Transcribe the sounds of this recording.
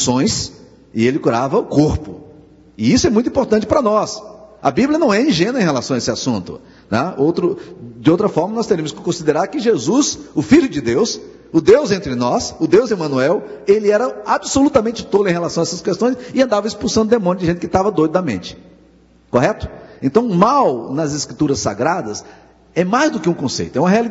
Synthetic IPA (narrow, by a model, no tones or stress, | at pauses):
sõj̃s | ɪelɪkuɾavɐʊkoɾpʊ | ɪisʊɛmũt̪uĩpoɾt̪ɐ̃nt͡ʃɪpɾɐnɔsɐ̰bibljɐnɐ̃w̃ɛĩʒẽnʊẽj̃ɦelasɐ̃w̃ɐesɪasũnt̪ʊ̰ | nɛ̰owt̪ɾʊd͡ʒɪowt̪ɾɐfɔɾmɐnɔst̪eɾiɐmʊskɪ̥kõsid̪eɾaɾkɪʒezusʊfiʎʊd͡ʒɪd̪ews | ʊd̪ewzẽnt̪ɾɪnɔsʊd̪ewzɪmɐ̃nuɛwelɪɛɾɐabɪsolut̪ɐmẽnt͡ʃɪt̪od̪ʊẽj̃ɦelasɐ̃w̃ɐɛsɐskest̪õj̃sɪɐ̃nd̪avɐispusɐ̃nd̪ʊd̪emõnjʊd͡ʒɪʒẽnt̪ɪkɪt̪avɐd̪ojd̪ʊd̪ɐmḛ̃nt͡ʃɪ̥ | koɦɛt̪ʊ̥ẽnt̪ɐ̃w̃ʊmawnɐzeskɾit̪uɾɐsːa̰ɡɾad̪ɐs | ɛmajzd̪ʊkɪũkõsḛjt̪ʊɛũmɐɦeali